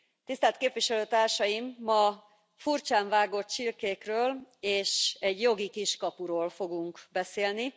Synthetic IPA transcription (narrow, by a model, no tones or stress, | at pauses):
t̪ist̪aːlt̪keːpʋiʃɛløːt̪aːrʃɒjimːɒ | furt͡ʃaːɱvaːɡo̞t̪t͡ʃilkeːkrøːleːʃɛɟjo̞ɡikiʃkɒpuɾoːlfo̞ɡuŋkbɛseːlni